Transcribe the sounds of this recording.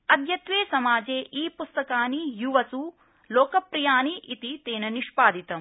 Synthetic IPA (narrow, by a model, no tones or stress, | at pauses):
ɐd̪ʱjɐt̪ʋeːsɐmaːd͡ʒeːʔiːpust̪ɐkaːnijuʋɐsu | loːkɐpɾijaːniʔit̪it̪eːnɐniʃpaːd̪ʱit̪ɐm